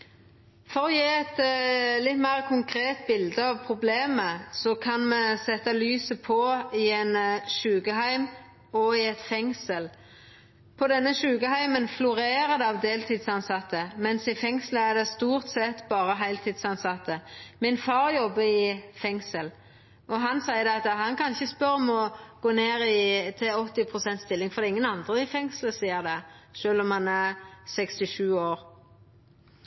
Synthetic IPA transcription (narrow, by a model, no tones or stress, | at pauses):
fɔʁɔjeːɛt̪lɪt̪ːmæɪʁkʰʊŋkʰɾeːt̪bɪld̪əɑʋpʰʁʊbleːməsɔkʰɑnmɛsɛt̪ːɑlyːsəpʰɔɪɛnʃʉːɡəɦæɪm | ɔɪɛt̪fɛŋsəl | pʰɔd̪ɛnːəʃʉːɡəhæɪmənflʊɾeːɾəd̪ɛɑʋd̪eːlt̪ʰiːd̪sɑnsɑt̪ːəmɛnsɪfɛŋsləæd̪ɛst̪uːʁt̪sɛt̪bɑːʁəɦæɪlt̪ʰɪd̪sɑnsɑt̪ːəmɪnfɑʁjɔbːəɪfɛŋsəl | ɔɦɑnsæɪəd̪ɛɑt̪əɦɑnkɑnɪçəspœɾɔmɔɡ̥oːneːɾɪt̪ʰɪɔt̪ːɪpʰʁʊsɛnt̪st̪ɪlːɪŋfɔʁd̪ɛɪŋːənɑnd̪ʁəɪfɛŋsləsiːəʁd̪ɛʃøːlɔmhɑnæʁsɛkst̪ɪʃʉːoːɾ